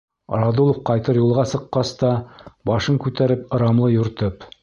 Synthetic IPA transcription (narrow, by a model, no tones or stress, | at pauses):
rɑd̪ulˠofqɑjt̪ɤɾjulˠʁɑsɤ̆qːɑst̪ɑbɑʃɤŋkʉt̪æɾɘpɤ̆ɾɑmlˠɤjɵ̆ɾt̪ɤp